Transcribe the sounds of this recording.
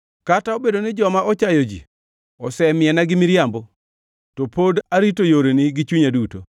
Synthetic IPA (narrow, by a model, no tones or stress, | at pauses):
kataobedonɛd͡ʒɔmaʔɔt͡ʃajɔd͡ʒḭ | ɔsɛmɪɛnaɡɪmiɾjambɔ | topodaɾitojoɾeniɡɪt͡ʃuɲaduto